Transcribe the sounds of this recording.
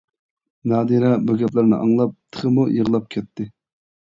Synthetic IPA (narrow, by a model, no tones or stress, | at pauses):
nɑːd̪iɾɛbuɡʲɛplæɾnɪ̰ʔɑŋlˠɑp̚t̪ʰə̥χəmujəʁlˠɑp̚kʲʰɛt̪ʰːɪ